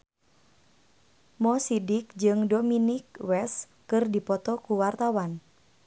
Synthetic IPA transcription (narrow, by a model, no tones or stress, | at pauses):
mɔsidɪk̚d͡ʒɨŋdominik̚wɛs | kɨrdipɔt̪ɔkuwart̪awan